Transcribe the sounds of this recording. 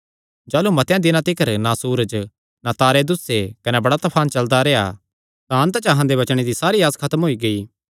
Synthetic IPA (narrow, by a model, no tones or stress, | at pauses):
d͡ʒaːlumɐt̪jãd̪ɪnãt̪ɪkʰəɾnasuːɾəd͡ʒ | nat̪aːɾed̪ʊsekɐnebɐɽat̪ɐpʰaːnt͡ʃɐld̪aɾɛːa̰ | t̪ãɐ̃nt̪t͡ʃɐɦãd̪ebɐt͡ʃɽ̃ed̪isaːɾiaːskʰɐt̪əmɦoːiɡɐiː